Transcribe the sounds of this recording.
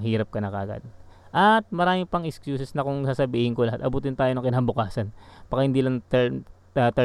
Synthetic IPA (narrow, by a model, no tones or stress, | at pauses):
hiːɾɐp̚kɐnɐkɐ̰ʔːɡa̰d̪̚ | ʔɐt̪̚mɐɾaːmɪŋpɐŋʔɛskjuːsɛsnɐkʊŋsaːsɐbiːhɪŋkolɐat̪ʔɐbuːt̪ɪnt̪aːjonɐŋkɪnaːbʊkaːsɐnb̥ɐkahɪnd̪iːlɐŋt̪ɛ | ɐt̪ɛ